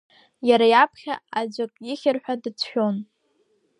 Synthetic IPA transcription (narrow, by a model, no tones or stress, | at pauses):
jaɾajapʰχʲa̰ad͡ʒʷakʼjiχʲɪrħʷᶣadɨt͡sʷʰʃᶣon